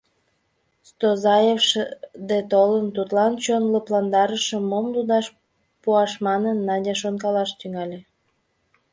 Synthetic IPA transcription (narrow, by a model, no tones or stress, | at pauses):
st̪ozɑjefʃd̪et̪olənt̪ut̪lɑnt͡ɕonləplɑnd̪ɑɾəʃə̆mːomlud̪ɑʃ | puɑʃmɑnənːɑdʲeʃ̬onkɑlɑʃt̪yŋɑlʲe